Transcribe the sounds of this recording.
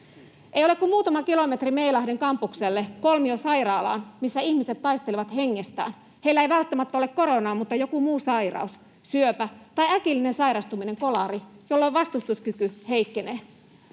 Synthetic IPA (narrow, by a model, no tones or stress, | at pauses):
ʔejolekkummuːt̪ɑmɑkilo̞met̪rimeilɑhdeŋkɑmpukselːekolmiosɑjrɑːlɑ̰ːnmisːæiçmiset̪ːɑist̪eliʋɑt̪heŋːest̪æ̰ːn | he̞ilæeiʋælt̪ːæmæt̪ːæole̞kkoɾo̞nɑːmut̪ːɑjo̞kumuːsɑjrɑ̰us | syøpæt̪ɑjækilːinensɑiɾɑst̪umine̞ŋkolɑɾijolːoʋʋɑst̪ust̪uskykyheikːeneː